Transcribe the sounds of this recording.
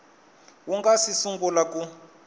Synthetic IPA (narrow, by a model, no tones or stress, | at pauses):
wuŋɡasisuŋɡulaku